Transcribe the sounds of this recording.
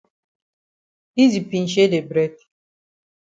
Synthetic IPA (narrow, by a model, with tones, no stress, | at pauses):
i˦zi˨pi˨n̩˦ʃ̬e˦de˨bɾɛ˦d̚